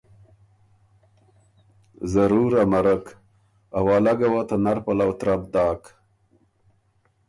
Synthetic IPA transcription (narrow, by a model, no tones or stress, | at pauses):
zaɾuɾamaɾək | awaːlaɡawat̪anaɾpalawt̪ɾab̚d̪ɑːk